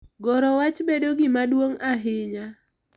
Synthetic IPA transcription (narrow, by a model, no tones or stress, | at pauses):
ɡɔɾɔwat͡ʃbedoɡɪmadwoŋaɦɪɲa